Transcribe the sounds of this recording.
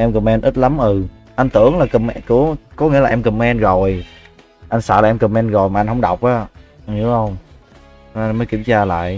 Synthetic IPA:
ʔɛ˧mkə˨˩mɛ˧nʔi˦˥t̚la˨˦mʔɨ˨˩ | ʔa˧n̟t̪ɨ˧˩əŋlaː˨˩kɨ˨˩mɛ˧kɨ˧˩əkɔ˨˦ŋi˧˥laː˨ʔɛ˧mkɨə˨˩mɛ˧nɣo˨˩j | ʔa˧jŋ̟sa̰ː˧˩laː˨˩ʔɛ˧mkɨ˨˩mɛ˧nɣo˨˩jmaː˨˩a˧n̟hə˧wŋ͡mɗa˨˩wk͡p̚ʔaː˨˦˧ɲɨ˨˦hə˧wŋ͡m | ɔ˨˦a˧məː˨˦jkḭ˧˩əmt͡ɕaː˧la̰ː˧˨j

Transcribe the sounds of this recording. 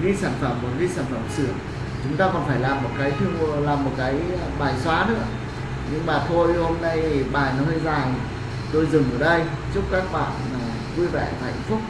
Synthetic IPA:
ɣi˧saː˧˩nfə˧˩mːo˨˩t̚ɣi˧saː˧˩nfə˧˩msɨ˧˩əŋ | t͡ɕʊ˨˦ŋ͡mt̪aː˧kɔ˨˩nfaː˧˩jlaː˨˩mːo˨˩t̚kaː˨˦jt̪ʰɨ˧əŋ˧laː˨˩mːo˨˩t̚kaː˨˦j | ɓaː˨˩jswaː˨˦nɨ̰˧˥ə | ɲɨ˧ŋmaː˨˩t̪ʰo˧jho˧mna˧jɓaː˨˩jnɔ˨˦hə˧jzaː˨˩ŋ˩ | t̪o˧jzɨ˨˩ŋʔəː˧˩ɗə˧jt͡ɕʊ˦˥p̚kaː˦˥k̚ɓa̰ː˧˨nː˨˩ | vu˧jvɛ̰˧˩vaː˨˩˨a̰˧˩jŋ̟fʊ˦˥k͡p̚

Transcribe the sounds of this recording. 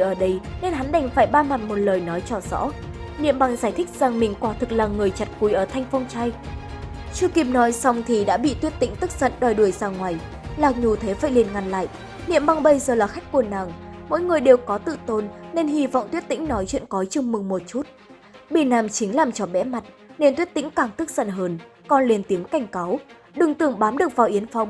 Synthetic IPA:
ʔəː˧˩ɗə˧jne˧nɦa˨˦nɗa˨˩jŋ̟faː˧˩jɓaː˧ma˨˩t̚mo˨˩t̚ləː˨˩jnɔ˨˦jt͡ɕɔ˧˩zɔ̰˧˥ | nḭ˧˨əmɓa˧ŋzaː˧˩jt̪ʰï˦˥k̟̚za˨˩ŋmï˨˩ŋ̟kwaː˨˦t̪ʰɨ˨˩k̚laː˨˩ŋɨ˨˩əjt͡ɕa˨˩t̚ku˨˦jʔəː˧˩t̪ʰa˧jŋ̟fɔ˧wŋ͡mt͡ɕa˧j | t͡ɕɨ˧ki˨˩p̚nɔ˨˦jsa˧wŋ͡mt̪ʰi˨˩ɗa̰ː˧˥ɓḭ˧˨t̪wət̚t̪ḭ̈˧˥ŋ̟t̪ɨ˦˥k̚zə̰˧˨nɗɔ˨˩jɗu˧˩əjzaː˨˧˩ŋŋwaː˨˩j | laː˨˩k̚ɲu˨˩t̪ʰe˨˦faː˧˨jli˨˩ənŋa˨˩nla̰ː˧˨jʔ | nḭ˧˨əmɓa˧ŋɓə˧jzəː˨˩laː˨˩xa˦˥jk̟̚kːu˧˩ənaː˨˩ŋmo̰˧˥˦jŋɨ˨˩əjɗe˨˩wkɔ˨˦t̪ɨ̰˧˨t̪o˧nne˧nɦi˧vɔ̰˧˨wŋ͡mt̪wi˦˥ət̚t̪ḭ˧˥ŋ̟nɔ˨˦jt͡ɕwḭ˧ənkɔ˨˦t͡ɕɨ˧ŋ͡mmɨ˨˩ŋmo˨˩t̚t͡ɕu˦˥t̚ | ɓe˧˩naː˧˩mt͡ɕï˨˦ŋ̟laː˨˩mt͡ɕɔ˧˩ɓɛ̰˧˥ma˨˩t̚ | ne˧nt̪wi˦˥ət̚t̪ḭ˧˥ŋ̟kaː˧˩ŋt̪ɨ˦˥k̚z̥ə̰˧˨nɦəː˨˧n | kɔ˧nle˨˩nt̪i˨˦əmka˧˩jŋ̟ka˨˦w | ɗɨ˨˩ŋt̪ɨ˨˩əŋɓaː˨˦mɗɨ˨˩ək̚vaː˨˩wʔi˨˦ənfa˨˧˦w

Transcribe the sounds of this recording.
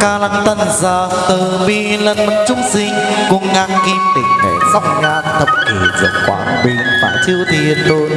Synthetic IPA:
kaː˧la˧˩ŋt̪ə˧nzaː˧˩t̪ɨ˨˩ɓi˧˩lə˧nmə˨˧˦ŋt͡ɕʊ˨˧˦ŋ͡msi˧ŋkʊ˧ŋʔa˧nki˧mt̪ḭ˧˩ŋ̟ɗḛ˧˨˩za˦˥p̚ŋaː˧nt̪ʰə˨˧˩p̚ki˨˩zə̰˨˩nkwa̰ː˧˩nɓi˧˩ənfa̰ː˧˩jt͡ɕi˧əwt̪ʰi˧˩ənlo˧j

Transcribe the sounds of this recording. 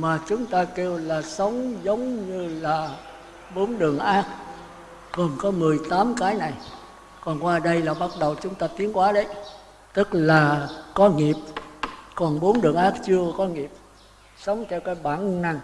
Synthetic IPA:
maː˨˩t͡ɕʊ˨˦ŋ͡mt̪aː˧ke˧wlaː˨˩sə˨˦wŋ͡mzə˨˦wŋ͡mɲɨ˧laː˨˩ | ɓo˨˦nɗɨ˨˩əŋʔaː˦˥k̚ | ɣə˨˩nkɔ˨˦mɨ˨˩əjt̪aː˨˦mkaː˨˦jna˨˩j | kɔ˨˩nkwaː˧ɗə˧jlaː˨˩ɓa˦˥t̚ɗə˨˩wt͡ɕʊ˨˦ŋ͡mt̪aː˧t̪i˨˦ənkwaː˨˦ɗə˨˦j | t̪ɨ˦˥k̚laː˨˩kɔ˨˦ŋi˨˩əp̚kɔ˨˩nɓo˨˦nɗɨ˨˩əŋʔaː˦˥k̚t͡ɕɨ˧əkɔ˨˦ŋi˨˩əp̚ | sə˨˦wŋ͡mt͡ɕɛ˧wkaː˨˦jɓaː˧˩˨nna˨˧˩ŋ

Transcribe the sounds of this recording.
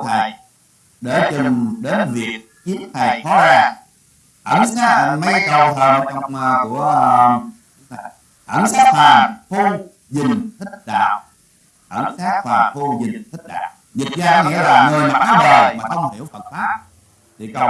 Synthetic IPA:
t̪ʰa˨˩j | ɗe˧˩t͡ɕʊ˨˩ɗe˨˦nvi˨˩ək̚ | t͡ɕi˨˦˥əmt̪ʰa˨˩jfɔ˨˦zaː˧˩ŋ | ʔ̪ə˧˩nsaː˦˥k̚ma˧jkə˨˩wt̪ʰəː˨˩n˨˦t͡ɕɔ˧wŋ͡mku˧˩ə˨˧˩ | ʔə̰˧˩nsaː˦˥k̚faː˨˩nfo˧ | zï˨˩ŋ̟t̪ʰï˦˥k̟̚ɗa̰ː˧˨w | ʔə˧˩nsaː˦˥k̚faː˨˩nfo˧zï˨˩ŋ̟t̪ʰk̟̚ɗa̰ː˧˨w | zi˨˩t̚zaː˧˩kŋi˧˥əlaː˨˩ŋɨ˨˩əjmaː˨˩kaː˨˧˦məː˨˩maː˨˩xə˧wŋ͡mh̪ʰi˧˩ə˨˦wfə̰˧˨˩t̚faː˦˥p̚ | t̪ʰi˨˩kə˧˩

